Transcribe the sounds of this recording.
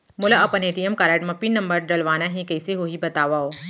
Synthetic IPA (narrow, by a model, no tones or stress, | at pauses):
mʊlaɐpɐneːʈijəmkaːɾəʈmɐpinːɐ̃mbəɾɖɐlʋaːnaɦĩkɛːseɦoɦibɐt̪aːʋaoː